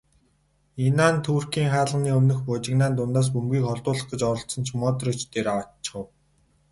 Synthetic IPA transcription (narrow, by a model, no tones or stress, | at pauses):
inaːnt̪ʰuːrkiːŋχaːɮə̆niːɵmnɵ̆xpʊːt͡ɕɪ̆knaːnt̪̬ʊnt̪aːs̬pɵmɡʲiːkχɔɮt̪ʊːɮə̆χɢə̆t͡ɕɔɾɞ̆ɬt͡sɞ̆nt͡ɕʰmɔːt̪̬rit͡ɕt̪eːɾawat͡ɕːɪ̥̆χə̆w